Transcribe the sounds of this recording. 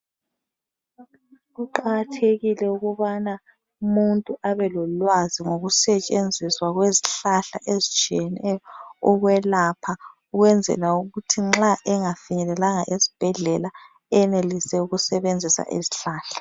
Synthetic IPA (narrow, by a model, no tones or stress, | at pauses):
ɣuǃaɣatʰeɣilɛuɣuβana | umuntʼuaβɛlɔlwaziŋoɣusɛt͡ʃʼend͡zʱiswaɣweziɬaɬa̰ʔezit͡ʃʼiɛnɛjɔɔɣwɛlapʰa | uɣwɛnd͡zʱɛ̰lauɣutʰiŋ͡ǁaʔɛŋafiɲɛlɛlaŋaʔezib̥ʱɛɮɛla | ɛɛnelisɛuɣusɛβend͡zʱisa̰ʔḛziɬaːɬḁ